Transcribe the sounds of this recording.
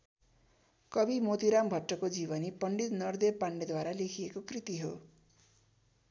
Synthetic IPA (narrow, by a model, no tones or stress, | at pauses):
kʌbimot̪iɾambʱʌʈːʌkod͡zibʌnipʌɳɖit̪nʌrd̪ebpaɳɖed̪waɾalekʰijekokrit̪iɦo